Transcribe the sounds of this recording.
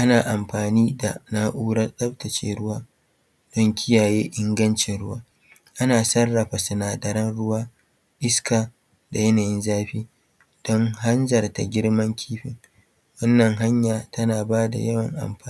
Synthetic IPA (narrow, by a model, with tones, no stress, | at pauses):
ʔa˦naː˨ʔa˨mɸaː˨niː˦da̰˨na˦ʔuː˦ɽɐ˦rɗɐ˦ɸ̚tɐ˨t͡ʃḛː˦ɽʊ˦waː˦ | d̥ɔ˦ŋkʲʰɪ˦jaː˨jeː˦ʔɪ˦ŋɡɐ˦nt͡ʃɪ˨nɽʊ˦waː˦ | ʔa˦naː˨sɐ˦rːɐ˨ɸa˨sʊ˨naː˨dɐ˨ɾɐ˦nɽʊ˦waː˦ | ʔɪ˦skʰaː˨ | da˨jɛ˦naː˨jɪ˦nzaː˦ɸiː˦ | d̥ɔ˦ŋɦa˦nzɐ˨rta˨ɡʲɪ˦ɽmɐ˦ŋkʲʰiː˦ɸɪ̰˨ŋ | wɐ˦nːɐ˨ŋɦa˦ɲjaː˨tʰɐ˦naː˨baː˦da̰˨jɐ˦wɐ˨ŋʔa̰˨mɸaː˦